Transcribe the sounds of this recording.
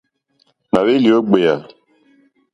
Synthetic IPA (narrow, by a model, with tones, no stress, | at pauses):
na˨we˦li˨o˦ɡ͡be˨ja˨